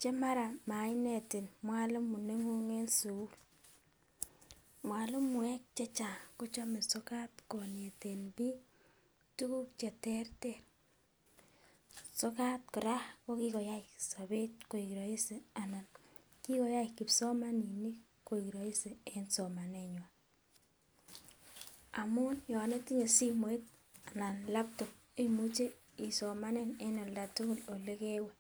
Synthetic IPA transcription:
t͡ʃɛ˦ma˦ɾa˨ma˨jne˨ti˨nmwa˦lʊ˦mːu˨ne˦ŋo˦ŋe˦nsu˨u˦l | mwa˨lʊ˦mːʊ˨ɛ˦k̚t͡ʃɛ˦t͡ʃa˨ku˦t͡ʃɔ˦me˨sɔ˦ka˦tko˨ne˨te˨nbi˦ | tu˦ku˦k̚t͡ʃe˨tɛ˦rter | so˦ka˦t̚kʊ˨ɾa˦ko˦ki˦kɔ˨ja˦i˨ksa˨be˦t̚ko˨i˨kɾo˨i˦se˨a˨na˨n | ki˦kɔ˨ja˦i˨ki˨psɔ˦ma˦ni˨ni˦ | ko˨i˨ki˨ɾɔ˨i˦se˨ɛ˦nso˨ma˨ne˨ɲwa˨ | a˨mʊ˦njɔ˨ne˦ti˦ɲe˨si˦mo˨˦i˦t̚ | a˨na˨nla˦p̚to˨k̚ | i˦mu˦t͡ʃe˦ | i˨sɔ˨ma˦ne˦nɛ˦nɔ˨lda˨tu˦kʊ˦lo˨le˦ke˦wɛ˨

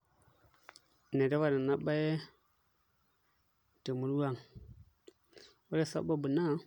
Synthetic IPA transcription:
ne˨de˦wa˦˨na˨na˦ɓa˦je˦ | tə˨mu˨ɾu˦wa˦˨ŋ | wa˦ɾe˦sa̰˦ba˦bu˨na˦

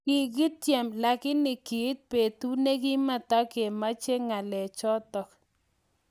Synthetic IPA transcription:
kɪ˨ɡɪ˦t̪je˨mla˨kɪ˦nɪ˨kɪ˨˦t̪̚pe˨t̪u˦ne˦ki˦ma˨t̪a˦ke˨ma˦t͡ʃe˦ŋa˨lɛ˨t͡ʃɔ˦t̪ɔ˨k

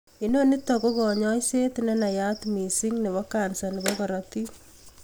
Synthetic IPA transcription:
ino˦ni˦t̪ːɔko˦kɔ˨ɲɔ˦jse˦t̪nɛ˦na˨jat̪mi˨siŋnɛ˨βɔkansa˨nɪ˨bɔkɔɾɔt̪i˦

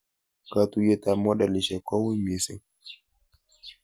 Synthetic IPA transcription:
ka˨tu˨jɛ˦ta˨mɔ˦ɗa˨li˨ʃɛ˨kɔ˦wi˦me˨sɛ̰˨

